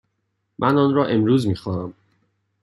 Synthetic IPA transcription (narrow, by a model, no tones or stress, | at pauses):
mʔænɒːnɾɒːʔe̞mɾuːzmiːxɒːnæm